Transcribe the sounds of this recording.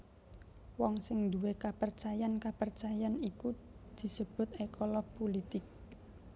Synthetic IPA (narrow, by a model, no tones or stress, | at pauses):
wɔŋsɪŋd̪uwekapərt͡ʃajankapərt͡ʃajaniku | d̪̥i̤səb̥ʊ̤t̪ekɔlɔɡ̚polit̪ɪk̚